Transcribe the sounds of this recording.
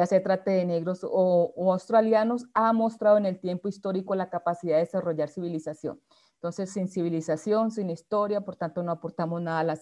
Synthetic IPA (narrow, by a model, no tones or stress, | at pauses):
ase̞t̪ɾat̪eðe̞ne̞ɣɾo̞soːawst̪ɾaljano̞samo̞st̪ɾaðoene̞lt̪je̞mpo̞ist̪o̞ɾiko̞lakapasiðaðesaro̞ʝaɾsiβilisasjo̰n | ent̪o̞nse̞sːinsiβilisasjo̞nsinist̪o̞ɾjapo̞ɾt̪ant̪o̞no̞apo̞ɾt̪amo̞znaðalas